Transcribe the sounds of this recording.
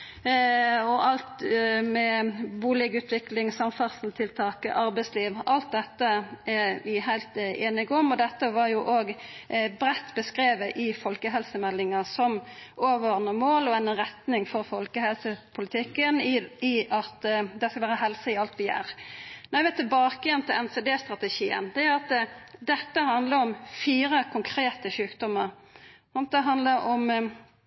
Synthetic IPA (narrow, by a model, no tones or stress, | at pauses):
ɔʔɑlt̪mɛbuːlɪɡʉːt̪ʰʋɪklɪŋsɑmfɑsn̩t̪ʰɪlt̪ʰɑːkə̰ʔɑɾbɛɪsliːʋʔɑlt̪̚d̪ɛt̪ːəæʋɪɦæɪlt̪eːnɪɡɔmɔd̪ɛt̪ːəʋɑɾjʊʔoːɡbɾɛt̪ːbəskɾeːʋəʔɪfɔlkəɦɛlsəmɛlːɪŋɑsɔmoːʋəɔʁnəmoːlɔɛnʁɛt̪nɪŋfɔɾfɔlkəhɛlsəpʰʊlɪt̪ʰɪkːənɪʔɑt̪d̪ɛskɑlʋæːɾəɦɛlsəɪɑlt̪ʋɪæ̰ːɾnɔɛʋɛt̪ʰːɛbɑːkəjɛnt̪ʰɪlɛnseːd̪eːst̪ɾɑt̪əʃiːə̰nd̪ɛæɾɑt̪d̪ɛt̪ːəhɑnd̪ləɾɔmfiːɾəkʰʊŋkʰɾeːt̪əʃʉːkd̪ɔmːəɾ | ɑnt̪̚d̪ɛɦɑnd̪ləɾʔɔm